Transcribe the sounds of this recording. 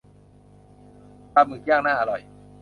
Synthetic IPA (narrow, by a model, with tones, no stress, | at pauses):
ta˧p̚mɯː˨˩ka˥˩ŋnaː˥˩ʔa˧ɾɔ˨˩j